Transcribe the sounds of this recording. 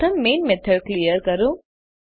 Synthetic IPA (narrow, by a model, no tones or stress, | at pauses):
t̪ʰɐmːeːnmɛt̪ʰɐɖklijəɾkɐɾu